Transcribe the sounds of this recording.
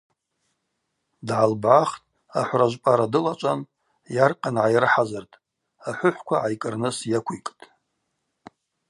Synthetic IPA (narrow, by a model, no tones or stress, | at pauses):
dʕalbʕaχtʼ | a̰ħʷraʒʷpʼaɾadɨlat͡ʃʷʼan | jarqʼanʕajrħazartʼ | aħʷʊħʷkʷʰaʕajkʼɨrnɨsjakʷʰijkʼtʼ